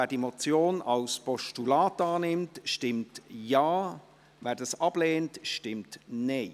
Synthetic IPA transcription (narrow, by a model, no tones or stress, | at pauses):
vɛːdimɔt͡sjoːnɑlspɔʃtulaːtɑːnɪmtʃtɪmtjaː | vɛːɾdɑsɑb̥leːntʃtɪmtneː